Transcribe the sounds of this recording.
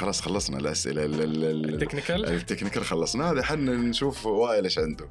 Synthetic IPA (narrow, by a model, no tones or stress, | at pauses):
xɑlˤɑːsˤxɑlˤːɑsˤna̰lʔa̰sʔɪ̰lallknɪt̪ːɪknɪkɑɾxɑlːɑsˤnahaːd̪iħanːnʃuːfwaːʔɪlʔeːʃʕɪnd̪ʊ